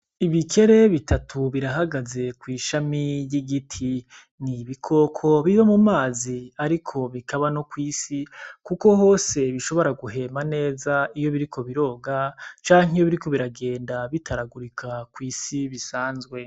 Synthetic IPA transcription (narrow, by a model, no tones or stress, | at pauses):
iβikʰe̞ɾe̞βitʰatʰuβiɾaɦaɡaze̞kwiːʃamijiɡitʰi | niβikʰo̞kʰo̞βiβamumaːziaɾikʰo̞βikaβano̞kwiːsikuko̞ɦo̞ːse̞βiʃo̞βo̞ɾaɡuɦe̞mane̞ːzaijo̞βiɾikʰo̞βiɾo̞ːɡat͡ʃaːŋijoβiɾiko̞βiɾaɡe̞ːndaβitʰaɾaɡuɾikʰakwiːsiβisaːnzɡwe̞